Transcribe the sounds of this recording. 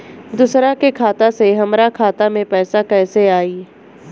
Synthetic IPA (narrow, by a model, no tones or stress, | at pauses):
d̪ʊsɾakekʰaːt̪aseɦɐmɾakʰaːt̪amẽpɛːsakɛːseaːiː